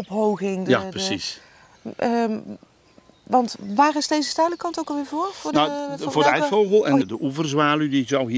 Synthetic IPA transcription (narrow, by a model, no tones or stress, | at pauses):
ɔpɦowɣɪŋdjaprəsis | ʋɑntʋaːrɪsdejzəstɛjdələkɑntowkɑlˠʋɪːɹvoːfʊːnavʊːɹdəɛfowɣəl̩ˠɛnndəʔuvərzʋaːlydizɔwɦi